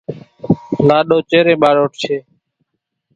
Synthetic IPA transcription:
laːɗoːt͡ʃeːɾẽːɓaːɾoːʈ̚t͡ʃʰeː

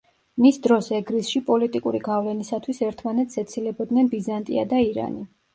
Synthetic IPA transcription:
misd̪ɾɔsɛɡɾisʃipʼɔlit̪ʼikʼuɾiɡavlɛnisat̪ʰwisɛɾt̪ʰmanɛt̪sɛt̪sʰilɛbɔd̪nɛnbizant̪ʼḭad̪aiɾa̰ni

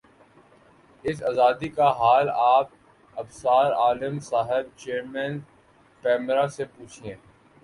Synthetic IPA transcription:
ɪsaːzaːd̪ikaɦaːlaːp̚ | ɐbsaːɾaːlɪmsaːɦɪb̚t͡ʃeːɾmɛ̃ːn | kɛːmɾasepuːt͡ʃʰiẽː

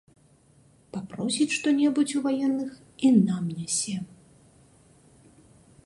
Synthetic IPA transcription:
papɾɔsʲit͡sʲʂt̪ɔnʲɛbut͡sʲuvajɛnːɨx | inamnʲɛsʲɛ

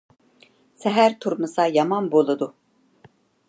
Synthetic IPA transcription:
sɛɦæɾt̪ʰuɾmusajamanbolˠud̪ʊ

